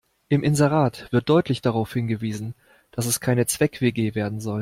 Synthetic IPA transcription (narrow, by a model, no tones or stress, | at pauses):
ʔɪmʔɪnzeʁaːtv̥ɪɐt̚d̥ɔʏtʰlɪçd̥aʁaʊfhɪnɡəviːzn̩ | d̥asɛskʰaɪnət͡sv̥ɛkv̥eɡeːveːɐdn̩zɔl